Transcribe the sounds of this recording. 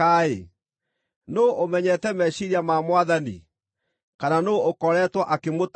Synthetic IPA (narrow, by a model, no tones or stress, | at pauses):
aḛ | noʔomɛɲɛtɛmɛɕiɾiamamwaðanḭ | kananookɔɾɛtwaʔakemot